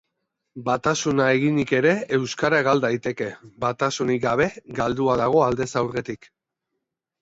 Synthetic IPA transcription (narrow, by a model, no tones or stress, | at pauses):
bat̪asunae̞ɣ̞iɲike̞ɾe̞ewskaɾaɣald̪ajt̪e̞ke̞bat̪asunik̚ɡaβ̞e̞ɡald̪uaðaɣ̞o̞ald̪e̞sawɾɣet̪ik